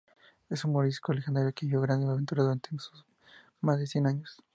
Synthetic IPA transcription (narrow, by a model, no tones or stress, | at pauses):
e̞sunmoɾiskolexend̪aɾjokeβjoɣɾand̪eaβent̪uɾaðuɾant̪ensus | mazðesje̞naɲos